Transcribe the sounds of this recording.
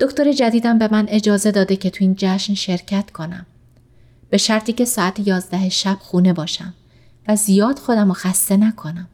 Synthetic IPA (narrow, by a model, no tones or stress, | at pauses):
d̪̥o̞cʰt̪oɾe̞d͡ʒæd̪iːd̪æmbe̞mæne̞d͡ʒɒːze̞d̪ɒːd̪e̞cʰe̞t̪ʰuiːnd͡ʒæʃnʃe̞ɾcʰæt̪kʰo̞næ̰m | b̥e̞ʃæɾt̪ʰiːce̞sɒːæt̪ʰejɒːzd̪æɦeʃæb̥xuːne̞bɒːʃæm | væzijɒːd̪̥xo̞d̪æmoxæst̪e̞nækʰo̞næm